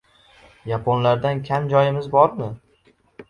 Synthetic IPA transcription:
japʰonlaɾd̪ankʲʰamd͡ʒɒjɪmɪzbɒɾmɪ

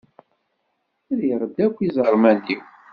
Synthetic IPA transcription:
æðiɾˤəd̪ːækʷːizˤəɾˤmænːiw

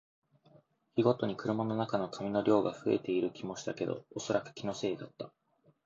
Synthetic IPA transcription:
çʲiɡo̞t̪o̞ɲ̟ikɯ̟ɾɯ̟mano̞nakano̞kʰamʲino̞ɾʲo̞ːɡaɸɯ̟e̞̰t̪e̞iɾɯ̟kʲimo̞ɕi̥t̪ake̞d̪o̞̰oso̞ɾakɯ̟̥kʲino̞se̞ːd̪at̪ːa

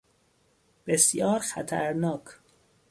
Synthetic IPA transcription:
b̥esjɒːɾxæ̰t̪ʰæɾnɒːkʰ

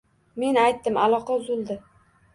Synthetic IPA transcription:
me̞najt̪ːɪmalˠɒqʰɑzʊlˠd̪ɪ

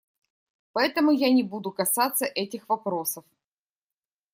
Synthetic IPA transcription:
pɐɛt̪əmʊjanʲɪbud̪ʊkɐsat̪sːəʔɛtʲɪxvɐpɾo̞səf

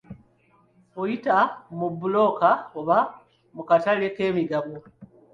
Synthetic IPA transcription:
ojitamubulo̞kaoβa | mukataleke̞ːmiɡaβo

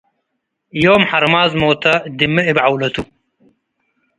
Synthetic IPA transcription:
joːmħɐɾmaːzmoːt̪ʰɐd̪imɨɪbʕawlɐt̪u

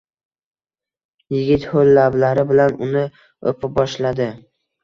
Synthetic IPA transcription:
jɪɡʲɪt̪holːablaɾɪbɪlanʊnɪ | opʰɪbɒʃlad̪ɪ

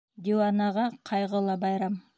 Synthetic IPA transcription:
d̪ʲewanɑʁɑqʰɑjʁəlˠɑbɑjɾɑm

